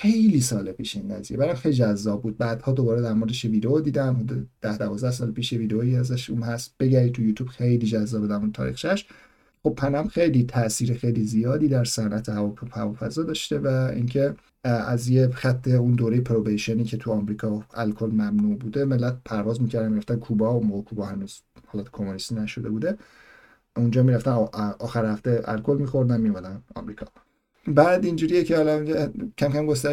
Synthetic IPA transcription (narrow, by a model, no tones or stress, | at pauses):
xe̞jliːsɒːlepʰiːʃinːæzijebæɾæmxejlid͡ʒæzːɒːb̚buːd̪̚bæːd̪̥hɒːd̪o̞bɒːɾed̪æɾmo̞ɾd̪eʃjeviːd̪eod̪iːd̪æmhod̪ud̪̥æhd̪ævɒːzd̪æhs̬ɒːlpʰiːʃjeviːd̪eoiæzæʃuːnhæst̪b̥e̞ɟæɾiːt̪ʰujuːt̪ʰuːb̥xe̞jliːd͡ʒæzːɒːbd̪æmunt̪ʰɒ̰ːɾḭxt͡ʃæʃ | xo̞b̚pʰænæmxe̞jliːt̪ʰæʔsiːɾexejlizijɒːd̪iːd̪æɾsænʔæt̪ʰehævhævɒːfæzɒːd̪ɒːʃt̪e̞væḭncʰe̞ | æzjexæt̪ʰːe̞und̪oːɾejepʰɾobejʃoniːcʰe̞t̪ʰuɒmɾiːkʰɒælkʰolmæmnuːʔbuːd̪e̞melːæt̪̚pʰæɾvɒːzmiːcʰæɾd̪ænmiɾæft̪ænkʰuːbɒunmoːɣekʰuːbɒːhænuːz̥hɒlɒːt̪ʰkʰomunist̪inæʃo̞d̪e̞buːd̪e̞ | und͡ʒɒːmiːɾæft̪ænʔɒːxæɾhæft̪e̞æ̰lkʰo̞lmixo̞ɾd̪ænmiomæd̪ænɒ̰ːmɾiːkʰɒ̰ | bæːd̪ind͡ʒuːɾijecʰeɒːlæcʰæmcʰæmɡos̬t̪æ